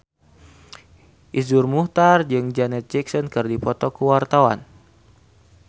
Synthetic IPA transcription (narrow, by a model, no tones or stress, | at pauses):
ʔizurmuht̪ard͡ʒɨŋd͡ʒanɛt̪̚d͡ʒɛksɔnkɨrdipɔt̪ɔkuwart̪awa̰n